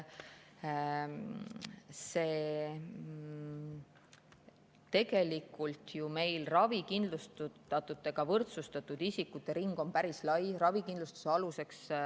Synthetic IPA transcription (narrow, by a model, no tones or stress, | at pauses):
seː | t̪e̞ɡe̞likːult̪jume̞jlrɑvikind̪lust̪uɑt̪ːˑut̪ːˑe̞ɡ̥ɑvɤrt̪sust̪ɑt̪ːˑud̪̥isikːut̪ːˑeɾiŋɡ̥o̞npæɾislɑjrɑvikind̪lust̪u̥seɑluse̞ks